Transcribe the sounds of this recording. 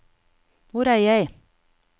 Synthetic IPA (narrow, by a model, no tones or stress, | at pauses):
ʋʊɾæːjæɪ